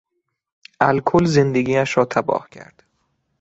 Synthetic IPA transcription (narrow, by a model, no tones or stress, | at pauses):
ʔælkʰolzend̪eɡiːæʃɾɒːt̪ʰæbɒ̰ːhcʰæ̰ɾd̪̥